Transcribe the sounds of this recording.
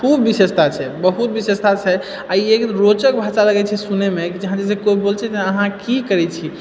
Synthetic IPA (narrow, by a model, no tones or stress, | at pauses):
kʰubːisest̪ʰat͡ʃʰɛbəɦut̪bisest̪ʰat͡ʃʰɛ | aiekɾot͡ʃək̚bʱat͡ʃaləɡɛt͡ʃʰɛsunemekid͡ʒəɦãd͡ʒesekoibolt͡ʃʰɛt̪eəɦãkikəɾɛt͡ʃʰi